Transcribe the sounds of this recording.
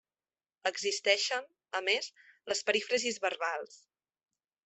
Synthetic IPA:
əɡzist̪ɛʃən | əmezləspəɾifɾəzizβərβalˠs

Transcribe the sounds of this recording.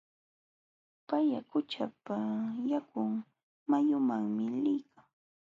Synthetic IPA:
pajakʊt͡ʃapajakʊŋ | majʊmaŋmɪlɪjkaŋ

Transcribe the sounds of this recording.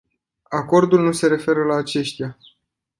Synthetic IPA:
ako̞rd̪ulnuse̞ɾe̞fe̞ɾəlaːt͡ʃe̞ʃt̪ija

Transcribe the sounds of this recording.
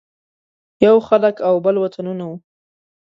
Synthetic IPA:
jawxaləkawbəlwat̪ʰanunawu

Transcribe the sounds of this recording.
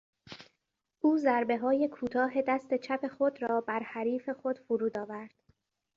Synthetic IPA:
ʔuːzæɾbe̞ɦɒːje̞kʰuːt̪ʰɒːɦe̞d̪æst̪e̞t͡ʃʰæpʰe̞xod̪ɾɒːbæɾhæɾiːfe̞xo̞d̪̥fuɾuːd̪ɒːvæɾd̪̥

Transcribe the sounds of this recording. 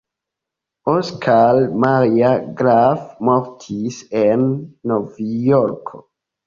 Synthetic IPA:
oskʰalmaɾiaɡɾavmoɾtʰisenːovjoɾkʰo

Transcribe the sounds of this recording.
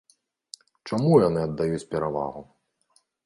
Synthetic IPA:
t͡ʂamujanɨɐd̪ːajut͡sʲpʲɛɾava̰ɣu

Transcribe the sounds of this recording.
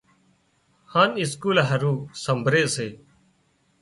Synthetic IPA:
hãːnɪskuːlɦəɾuːsəmbʱɾeːseː

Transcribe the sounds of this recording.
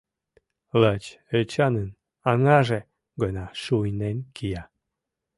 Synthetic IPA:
lət͡ɕ | ət͡ɕɑnən | ɑŋɑʒe | ɡənɑʃujnenkija

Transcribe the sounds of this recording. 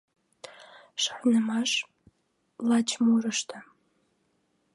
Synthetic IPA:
ʂɨħʷnɨmaʂ | lat͡ʃʰmurɨʂtʰa

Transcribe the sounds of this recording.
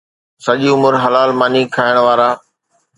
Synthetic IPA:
sɐʄiʊmʊɾɦɐlaːlmaːnikʰaːɪəɽ̃ʋaːɾaː

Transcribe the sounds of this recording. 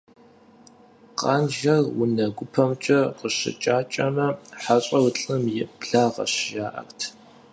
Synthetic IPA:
qɑːnʒɐrwʊnɐɡʷʊpʰɐmt͡ʃʼɐqəɕɪ̰t͡ʃʼaːt͡ʃʼɐmɐħaɕʼɐwʊɬʼɨmjɪbɮaːʁɐ̰ɕʒaːʔɐ̰rtʰ

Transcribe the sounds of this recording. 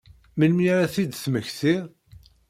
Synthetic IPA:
məlmɾaθid̪θməçθi

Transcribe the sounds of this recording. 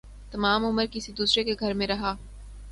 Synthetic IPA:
t̪ɐmaːmʊməɾkɪsid̪uːsɾekeɡʱɐɾmẽɾɐɦaː

